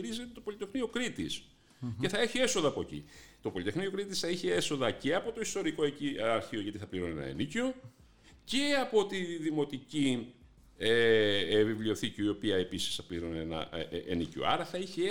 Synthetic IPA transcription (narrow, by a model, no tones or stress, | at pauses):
ɾizet̪et̪opo̞lit̪exniokɾit̪is | e̞θɐe̞çie̞soðɐːpo̞ecḭt̪o̞po̞lit̪exnio̞kɾit̪isθɐiçee̞so̞ðɐce̞ɐpo̞t̪o̞ist̪o̞ɾiko̞eciɐɾçio̞ʝɐt̪iθɐpliɾone̞nɐ̰ḛnico | ce̞ɐpo̞t̪iðimo̞t̪ici | eevivlio̞θiciio̞piɐe̞pisi̥sθɐpliɾonenɐ̰ḛnicio̰ɐ̰ɾɐθɐiçe